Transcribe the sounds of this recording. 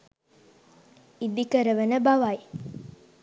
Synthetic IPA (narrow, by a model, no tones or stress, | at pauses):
id̪ikəɾəʋənəbaʋaj